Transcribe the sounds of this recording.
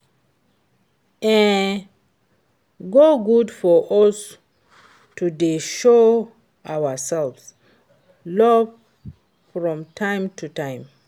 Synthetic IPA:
ɛ̃n | ɡoɡudfɔʔɔs | tudeʃo | ʔawəsɛlvs | lɔv | fɹɔ̃mtʰãɪ̃mtʰutʰãɪ̃m

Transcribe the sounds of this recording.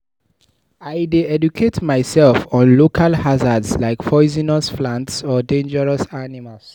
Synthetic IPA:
aɪdeɛdukʰetmaɪsɛlfɔ̃nlokʰalhazadslaɪkpʰɔɪzinɔsflãntsɔdẽnd͡ʒəɹɔsanimals

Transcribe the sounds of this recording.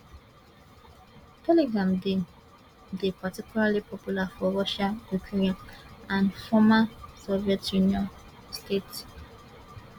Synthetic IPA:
tʰɛliɡɹãmde | depatikjulalipɔpjulafɔɹɔʃajukʰiɹiɔ̃nãnfɔmasɔviɛtjuniɔ̃n | stets

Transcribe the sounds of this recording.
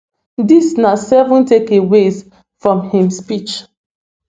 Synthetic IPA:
disnasɛvũntekewez | fɹɔ̃mhĩmspit͡ʃ

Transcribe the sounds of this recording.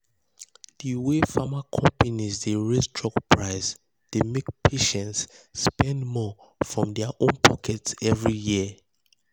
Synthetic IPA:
d̥iwefamakʰɔ̃mpanizdeɹesdɹɔkpʰɹaɪs | d̥emek̚pʰeʃɛ̃ntsːpɛ̃ndmɔ | fɹɔ̃mdɛaʔõnpʰɔkʰɛtsɛvɹiji

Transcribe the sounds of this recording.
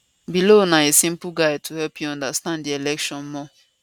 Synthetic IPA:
bilonaesĩm̩puɡaɪtuhɛlpʰjuɔ̃ndastãnddielɛkʃɔ̃nmɔ

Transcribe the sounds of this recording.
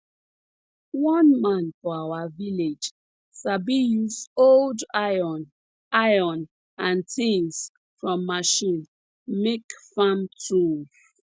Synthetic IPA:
wɔ̃nmãnfɔawaviled͡ʒ | sabijusoldajɔn | ajɔ̃n | ãntʰĩns | fɹɔ̃mːaʃĩn | mekfamtʰuv

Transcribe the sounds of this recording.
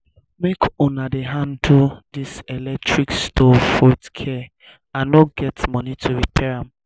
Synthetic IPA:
mekʰõnadeɦãndudiselɛk̚tʰɹikstʰɔfɔitskʰɛ | ãnoɡɛtmɔ̃nitʰuɹipʰɛɹãm

